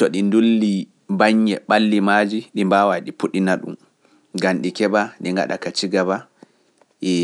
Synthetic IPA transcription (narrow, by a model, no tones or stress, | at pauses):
tɔɗindulːi | baɲːɛɓalːimad͡ʒiɗimbawaɗipuɗinaɗṵm | ɡanɗikɛbaniŋɡa̰ɗa̰kat͡ʃiɡaba | ʔɛ